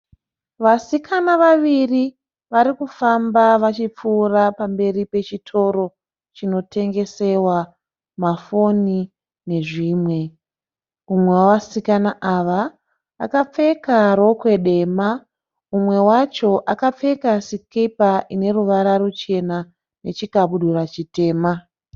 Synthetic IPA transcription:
ʋasikʰanaʋaʋiri | ʋaɾikufambaʋat͡ʃip͡fuːrapambe̞ɾipe̞t͡ʃitʰo̞ɾo̞ | t͡ʃino̞tʰe̞ŋɡe̞se̞wa | mafo̞ni | ne̞ʐiːmwe̞ | umwe̞waʋasikanaʔaʋa | a̰kap͡fe̞kaɾo̞kwe̞ɗe̞ːma | umwe̞wat͡ʃo̞ʔakap͡fe̞kasikipaʔine̞ruʋaɾarut͡ʃe̞na | ne̞t͡ʃikaɓuɗuɾat͡ʃite̞ːma

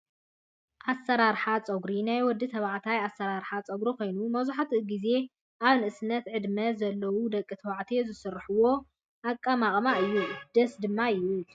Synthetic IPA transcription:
ʔasːɐɾaɾħat͡sʼɐɡɾinajwɔd̪ːit̪ʰɐβaʕt̪ʰajasːɐɾaɾħat͡sʼɐɡɾiko̞jnumɐβzaħat̪ʰɡize̞ | ʔaβnɨʔɨsɨnɐt̪ʕɨd̪mɐzɐlːɐwud̪ɐkʼːɨt̪ʰɐwaʕt̪ʰezɨsɨrːħɨwo̞ | ʔakʼːamaχʼmaɨjːud̪̥ɐsd̪ɨmːaju

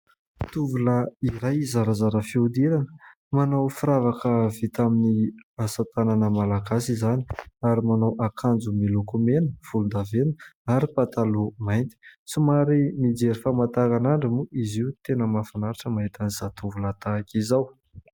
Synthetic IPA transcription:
t̪uvuləiɾajzaɾazaɾəfiud̪iɾanə̥ | manawfiɾavakəvit̪aminiasat̪ananəmalaɡasizaniaɾimanawʔakʰand͡zumilukumenəv̥ulund̪avenu̥aɾipat̪alumajnt̪i̥t͡sumaɾinid͡zeɾifamat̪akanaɳɖ͡ʐəmuʔiziut̪enəmafanaɾiʈ͡ʂəmaɦit̪aniz̥at̪uvulət̪aːkʲizaw

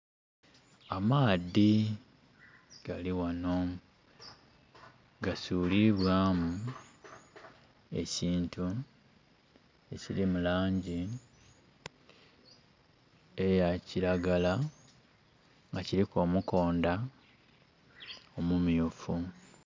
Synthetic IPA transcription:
amaːdi | ɡ̥aliwano̞ | ɡasuːliβwaːmu | e̞̰ciːntu | ecilimulaːɲɟi | ejaciɾaɡala | ŋɡaciɾiko̞muko̞ːnda | omumjufu

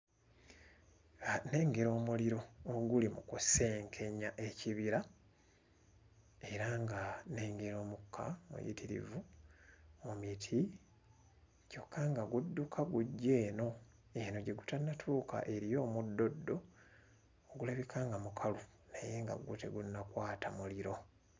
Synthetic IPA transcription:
ane̞ːŋɡeɾo̞ːmuliɾo̞ːɡulimukuse̞ːŋkʰe̞ɲaʔe̞ciβiɾa | e̞ɾaŋɡaneːŋɡeɾo̞ːmukʰːa̰mṵjḭtiɾḭvu | omitʰi | co̞kʰːaŋɡaɡudːukʰaɡuɟːe̞ːno̞ | e̞no̞ɟe̞ɡutanːatʰuːkʰa̰ʔe̞ɾijo̞ːmudːo̞dːo̞ | oɡulaβikʰaːŋɡamukʰalu | neje̞ːŋɡa̰ɡṵtḛɡunːakwaːtʰamuliɾo̞

